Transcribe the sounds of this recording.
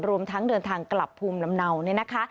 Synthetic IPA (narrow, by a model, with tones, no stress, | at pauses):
ɾu˧əmt̪ʰa˦˥ŋdɤː˧nt̪ʰaː˧ŋkla˨˩pʰːuː˧mla˧mna˧wni˥˩ɐna˦˥kʰa˦˥